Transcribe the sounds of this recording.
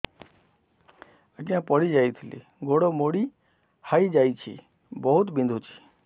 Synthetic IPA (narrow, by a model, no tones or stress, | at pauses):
əɡjãpəɽid͡ʒaːit̪ʰilḭ | ɡoɽomoɽi | haid͡ʒait͡ʃʰḭ | bəɦut̪bĩnd̪ʱut͡ʃʰi̥